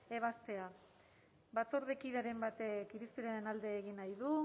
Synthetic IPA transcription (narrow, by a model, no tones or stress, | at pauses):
e̞β̞ast̪e̞a | bat͡soɾðekiðaɾe̞mbat̪ekiɾispiɾaɾe̞nald̪e̞ːɣinajðu